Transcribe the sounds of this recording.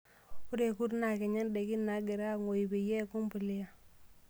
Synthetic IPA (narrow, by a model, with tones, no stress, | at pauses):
ku˦ɾe˨ku˦ɾna˨ke˨ɲa˦nde˨ki˦na˨˦ɡe˨ɾa˦ŋo˨i˨be˨je˦˨ku˦mpu˨lɪ˦a˨